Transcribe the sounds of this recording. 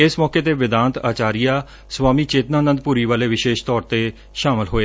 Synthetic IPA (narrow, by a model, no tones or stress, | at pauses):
ɪsmɔːkeːt̪eːʋɪd̪ãːnt̪a̰ːt͡ʃaːɾijaː | swaːmiːt͡ʃeːt̪naːnə̃nd̪̚puːɾiːʋaːleːʋɪʃeːʃt̪ɔːɾt̪eː | ʃaːmɪlɦoːeː